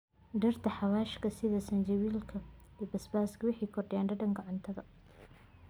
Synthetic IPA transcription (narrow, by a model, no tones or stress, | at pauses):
ɖɐrt̪ʰɐħɑwaːʃkʰɐsɪðɐsɐnd͡ʒɐwiːlkʰɐɛbɐsbaːskʰɐwʊħɑjkʰɔrɖɪjaːnɖɐɖɐŋɡɐʕʊnt̪ʰɐðɐ